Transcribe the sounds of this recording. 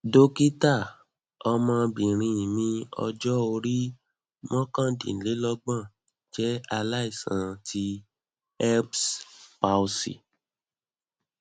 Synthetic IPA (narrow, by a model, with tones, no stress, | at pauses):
do˦ki˦ta˦˨ | ɔ˧mã˧bĩ˨ɾ̃ĩ˧˨mĩ˧ɔ̰˧d͡ʒɔ˦o˧ɾi˦ | mɔ̃˦kã˦˨dḭ̃˨n̩˨le˨˦lɔ˦ɡ͡bã˦˨ | d͡ʒɛ˦a˧la˦i˦˨sã̰˨˦tʰi˦ | ɛ˦pspa˧u˧sḭ˨